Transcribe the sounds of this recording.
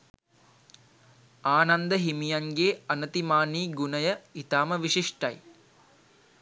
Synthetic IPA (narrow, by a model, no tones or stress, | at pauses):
aːnɐnd̪ɐɦimijɐŋɡeːɐnɐt̪imaːniːɡunɐjɐit̪aːmɐʋiʂiʂʈɐj